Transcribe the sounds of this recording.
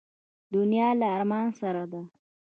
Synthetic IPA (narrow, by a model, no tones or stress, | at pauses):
d̪ʊnijɑlaːɾmɑnsaɾad̪a